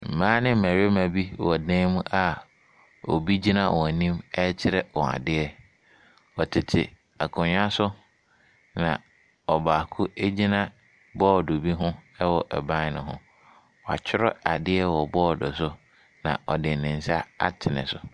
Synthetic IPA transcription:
m̩˨mãː˦nɪ̃˦˨æ˨ɾe˦mã˨bi˦˨wɔ˨dɛ̃˦mʊ̃˦ʔa˨ | ɔ˨bi˦d͡ʑi˦nã˦wɔ̃˨nĩ˦mɛ˦t͡ɕʰɪ˦ɾɛ˦wɔ̃˨a̰˨dɪ˦ɛ˦ | ɔ˨tʰɪ˨tʰɪ̰˨ | a˨kʰʊ̃˨ɲᶣa˦sʊ˦ | nã̰˨ | ɔ˨baː˨kʰʊ˦e˦d͡ʑi˦nã˦ | bɔː˦˨do˨bi˦ɦʊ̃˦ɛ˦wɔ˨ʔɛ̰˨bã˦nʊ̰̃˨ɦʊ̰̃˦ | wɔ˨a̰˨t͡ɕʰɪ˦ɾɔ̰˦a˨dɪ˦ɛ˦wɔ˨bɔː˦˨dɔ˨sʊ˦ | nã̰˨ʔɔ˨dɪ˨nɪ̃˨n̩˨sa˦a̰˦tʰɪ˨nɪ̰̃˨sʊ˨

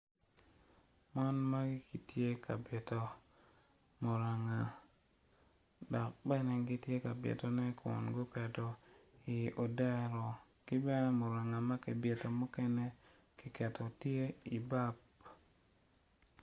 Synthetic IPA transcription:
ma˦nma˦ɡɪ˦ki˨tje˦ka˨bɪ˨to˨ | mo˨ɾa˨ŋa˨ | dɔ˨k̚bɛ˦nɛ˨ɡɪ˦tje˦ka˨bjḛ˨to˨nɛ˦kɔ̰˨nɡʊ˦kɛ˨tɔ˨i˨o˨da˦ɾɔ˨ | kɪ˦bɛ˦nɛ˦mo˨ɾa˨ŋa˨ma˦ke˨bje˨to˨mɔ˦kɛ˦nɛ˦ | kɪ˦kɛ˨tʰo˨tje˦i˨ba˦p

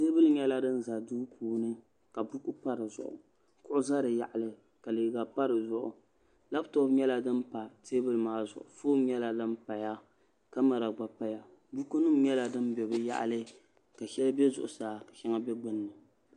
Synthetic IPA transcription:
te˦bɨ˦lɨ˦ɲɛ˦la˦dɨ˦n̩˨za˨duː˦puː˨nɨ˦ | ka˨bu˦ku˦pa˦ɾɨ˨zʊ̰˨ʔʊ̰˨ | kʊ˦ʔʊ˦za˦ɾɨ˨ja̰˨ʔa˨lɨ˦ | ka˨lɨ˨ɡa˨pa˦ɾɨ˨zʊ˦ʔʊ̰˨ | la˦btɔ˦bɲɛ˦la˦dɨ˦mpa˨teː˦bɨ˦lɨ˦˨maː˦zʊ̰˨ʔʊ˨foː˦m˦ɲɛ˦la˦dɨ˦m˦pa˨ja˦ | ka˦ma˨ɾa˨ɡ͡ba˨pa˦ja˨ | bu˦ku˦nɨ˦m˦ɲɛ˦la˨dɨ˦mbɛ˨bɨ˦ja̰˦ʔa̰˨lɨ˦ | ka˨ʃɛ˦lbɛ˦zʊ̰˨ʔʊ˨saː˨ka˨ʃɛ˦ŋa˦bɛ˦ɡ͡bɨ˦nːɨ˨

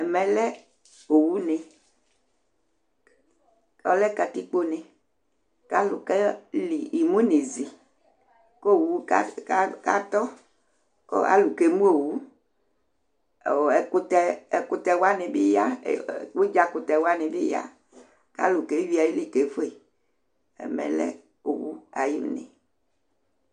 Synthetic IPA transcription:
ɛ˨mɛ̃˦lɛ˦ | o˨wu˦nɛ̃˨ | ɔ̰˦lɛ˦ka˨t̪i˦k͡po˦nɛ̃˨ | ka˦lu˨kɛ˦li˨i˨mũ˦ne˨zi˨ | ko˦˨wu˨˦a˦ka˦ka˦t̪ɔ˦ | ko̰˦a̰˨˦lu˨ke˨˦mũ˦o˨wu˦˨ | ɛ˨ko˦t̪ɛ˦˨ku˨t̪ɛ˨wa˦ne˨bi˦ja̰˦˨wo˦d͡ʒa˨ku˨t̪ɛ˨wa˦nẽ˨bi˦ja̰˦ | ka̰˦lu˨ke˨˦wi˨˦a˨ji˦li˨ke˨˦fo˦e˨ | ɛ̰˦mɛ̰˨lɛ̰˦ | o˨wu˦a˨jḭ˦m˦˨nḛ˨

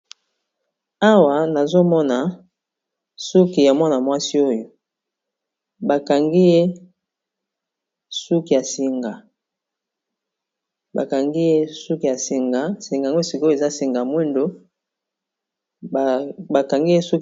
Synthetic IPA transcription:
a˦wa˨na˨zo˦mɔ˦na˨ | su˦ki˨ja˨mɔ˦na˨mwa˦si˦o˦jo˨ | ba˨ka˨ŋɡi˦je˦ | su˦ki˨ja˨si˨ŋɡa˨ | ba̰˨ka˨ŋɡi˦je˦su˦ki˨ja˨si˨ŋɡa˨si˨ŋɡŋɡo˦e˦˨si˨ko˦e˨za˦si˨ŋɡa˨mwi˦ndo˦˨ | ba˨ka˨ŋɡi˦je˦su˦k

